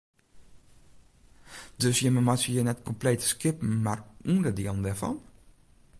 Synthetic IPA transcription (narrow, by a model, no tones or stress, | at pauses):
d̥øsjəməmatəjənɛtkɔmpleːtskɪpn̩marundədiəlˠəndɛɹfɑ̰n